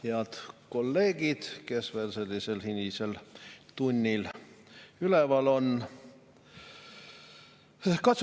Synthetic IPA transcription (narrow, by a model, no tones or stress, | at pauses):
heɑt̪ko̞lːe̞ːɡ̥id̪̥ke̞sve̞ːlse̞lʲːise̞lhinʲise̞lt̪unʲːil | ylevɑlo̞n | kɑt̪s